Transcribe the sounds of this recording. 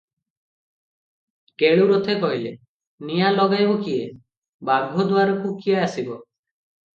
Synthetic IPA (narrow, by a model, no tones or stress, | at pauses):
keɭuɾot̪ʰekɔɦilḛ | nijalɔɡajbɔkie | baɡʱod̪uaɾɔkukieasibɔ